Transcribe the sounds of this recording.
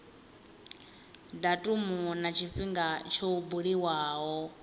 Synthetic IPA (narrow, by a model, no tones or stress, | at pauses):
datʼumunat͡ʃʰiɸiŋɡat͡ʃʰoubuɺiwaːɦɔ